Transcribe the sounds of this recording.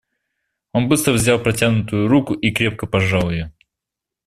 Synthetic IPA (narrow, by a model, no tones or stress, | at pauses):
o̞nbɨst̪ɾəvzʲalˠpɾɐtʲanʊt̪ʊjʊɾukʊʔikɾʲe̞p̚kəpɐʐɑlˠjɪjo